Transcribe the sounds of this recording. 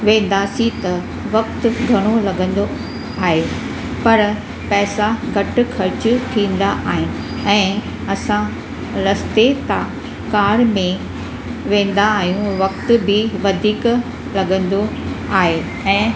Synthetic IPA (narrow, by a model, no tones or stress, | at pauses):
ʋẽːn̆d̪asit̪ɐ | ʋɐk̚t̪ʊ̆ɡʱɐɽ̃olɐɠə̃nd̪o | aːɦe | pɐɾ | pɛːsaɡʱɐʈʊ̆kʰɐɾt͡ɕʊt̪ʰĩːn̆d̪aʔaːɦɪnɪ̆ | ɛ̃ː | ɐsã | ɾɐst̪et̪a | kaːɾmẽ | ʋẽːn̆d̪aːɦijũʋɐk̚t̪ʊ̆bʱɪʋɐd̪ʱiːk | lɐɠə̃nd̪oaːɦe | ɛ̃ː